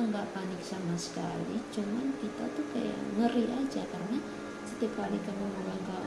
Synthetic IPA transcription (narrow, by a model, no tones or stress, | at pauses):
ŋɡaʔpanɪk̚samasə̥kalit͡ʃumankit̪a̰t̪uhka̰ja̰ʔŋəɾiʔad͡ʒakarəna | sət̪iap̚kalikaməmulaŋɡa